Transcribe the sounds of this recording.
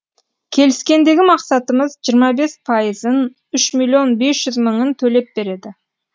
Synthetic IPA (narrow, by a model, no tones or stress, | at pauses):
kʲʰe̞lɪskʲe̞nd̪e̞ɡʲɪmɑqsɑt̪əməzʒijəɾmɑbe̞spʰɑjəzən | ʏʃmilʲːijo̞nbe̞sʒ̥ʏzməɴənt̪ʰɵle̞p̚be̞ɾe̞d̪ɪ